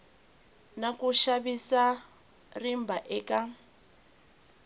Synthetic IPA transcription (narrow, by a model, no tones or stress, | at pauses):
nakuʃaβisa | rimbaʔɛkʼa